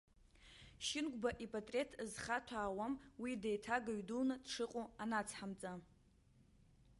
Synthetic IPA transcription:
ʃɪnɡʷbaʔipʼatʼre̞tʰzχatʷʰaːwamwidejtʰaɡaɥdulnɨd̥ʂɨqʼoanat͡sʰħamt͡sʼa

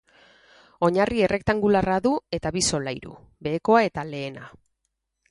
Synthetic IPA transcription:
o̞ɲarie̞re̞kt̪aŋɡularaðue̞t̪aβiso̞lajɾṵ | be̞ːko̞ae̞t̪ale̞ːna

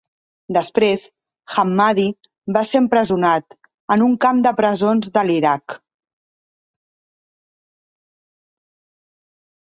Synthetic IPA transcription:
d̪əspɾes | xamːaði | βaseəmpɾəzunat̪ | ənuŋkamd̪əpɾəzonzðəliɾak

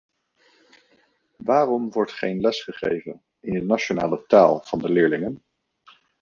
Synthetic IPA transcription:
ʋaːrɔmʋɔɹtχejnlɛsχəχḛjvən | ɪnənat͡ʃona̰ːlətaːlˠv̥ɑndəlɪːɹlɪŋən

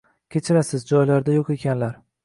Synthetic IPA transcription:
kʲʰet͡ʃʰɪɾasɪzd͡ʒɒjlaɾd̪ajoqe̞kʲʰanlaɾ

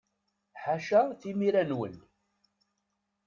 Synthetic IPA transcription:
ħaʃaθimiɾænwə̰n

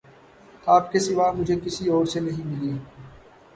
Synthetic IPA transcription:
aːpkesɪʋaːmʊd͡ʒʱekɪsiɔːɾsenɐɦĩmɪlieː

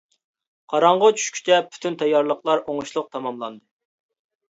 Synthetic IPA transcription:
qʰɑɾɑɴʁət͡ʃʰy̥ʃkʲy̥t͡ʃʰɛpʰy̥t̪ʰynt̪ʰɛjːɑɾlˠəqlˠɑɾoŋuʃlˠʊq̚t̪ʰɑmɑmlˠɑnd̪ɨ

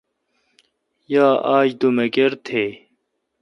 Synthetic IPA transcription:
jaːʔaːd͡ʑd̪umekeɾt̪ʰeː

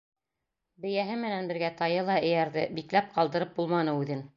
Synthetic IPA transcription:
bɘ̆jæɦɘmɘ̆nænbɘ̆ɾɡæt̪ɑjɤlˠɑɘ̆jæɾðɘbiklæp̚qɑlˠd̪ɤ̆ɾɤp̚bulˠmɑnɤʉðɘn

